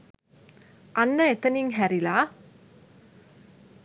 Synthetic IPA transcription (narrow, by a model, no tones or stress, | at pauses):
ʔɐnːɐet̪ːɐniŋɦæɾilaː